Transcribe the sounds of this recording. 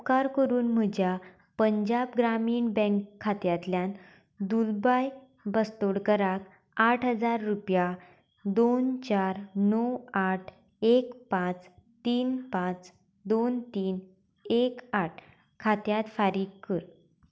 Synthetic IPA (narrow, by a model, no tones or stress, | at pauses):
kaɾkəɾuːnm̤əd͡ʑja | pəɲd͡ʑabɡɾamiːɳbɛ̃ŋkʰːat̪jat̪ljãn | d̪ulbaj | bəst̪oɽkəɾak | aʈʰɦəd͡zaɾːupja | d̪ont͡ɕaɾnɔwaʈʰ | ekpãt͡st̪iːnpãt͡s | d̪ont̪iːn | ekaʈʰ | kʰat̪jat̪faɾiːɡkəɾ